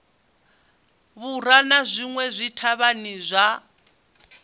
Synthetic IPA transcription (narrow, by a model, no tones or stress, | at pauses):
βuranazʷiŋwɛzʷitʰaβanizʷa